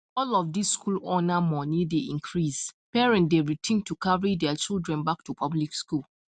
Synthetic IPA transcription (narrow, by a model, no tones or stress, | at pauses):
ɔlɔfdisːkʰulɔnamɔnideʔĩŋkʰɹispɛɹɛ̃ntdeɹitʰĩntukʰaɹidɛat͡ʃildɹɛ̃nbak̚tupʰablikskul